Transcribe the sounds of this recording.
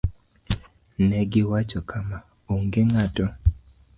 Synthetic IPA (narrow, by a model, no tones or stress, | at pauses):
nɛɡɪwat͡ʃɔkʰama | oŋɡeŋatɔ